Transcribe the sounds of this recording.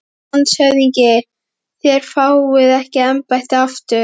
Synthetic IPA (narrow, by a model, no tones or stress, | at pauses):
nsœɥðiɲcɪ | θjɛɾ̥faːwvɪðɛhcɪɛmpajht̪aft̪ʏ